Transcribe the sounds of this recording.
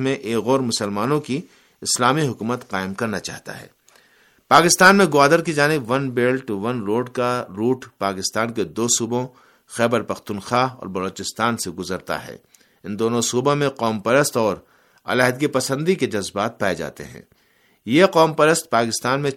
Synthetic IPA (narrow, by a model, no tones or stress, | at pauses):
mẽʔeːkɣɔːɾmʊsəlmaːnõki | ɪslaːmiɦʊkuːmət̪qaːɪmkɐɾnat͡ʃa̰ːɦt̪a̰ɦɛ̰ː | paːkɪst̪aːnmẽɡʊaːd̪əɾkid͡ʒaːnɪbʋɐnbeːlʈuʋɐnɾoːɖkaɾuːʈpaːkɪst̪aːnked̪oːsuːbõ | xɛːbəɾpɐxt̪unxaːɦɔ̰ːɾbɐloːt͡ʃɪst̪aːnseɡʊzəɾt̪a̰ɦɛ̰ː | ɪ̃nd̪oːnõsuːbõmẽqɔːmpɐɾəst̪ɔːɾ | ɐ̰laːɦd̪kipɐsə̃nd̪iked͡ʒɐzbaːt̪̚paːed͡ʒa̰ːt̪ḛɦɛ̰̃ː | jeqɔːmpɐɾəst̪̚paːkɪst̪aːnmẽ